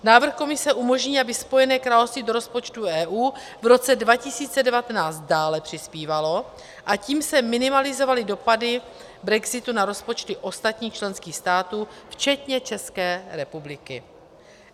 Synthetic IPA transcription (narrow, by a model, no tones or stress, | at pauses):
naːvr̩xko̞mɪsɛʔumo̞ʒɲiːabɪspo̞jɛnɛːkɾaːlo̞fst̪vido̞ɾo̞spo̞t͡ʃt̪uʔɛːʔuː | vɾo̞t͡sɛdvacɪsiːt͡sɛdɛvat̪ɛnaːt͡st̪̚daːlɛpr̝̥ɪspiːvalo̞ | ʔaciːmsɛmɪnɪmalɪzo̞valɪdo̞padɪ | bɾɛɡzɪt̪unaɾo̞spo̞t͡ʃt̪ɪʔo̞st̪at̪ɲiːxt͡ʃlɛnskiːxst̪aːt̪uːft͡ʃɛt̪ɲɛt͡ʃɛskɛːɾɛpublɪkɪ̰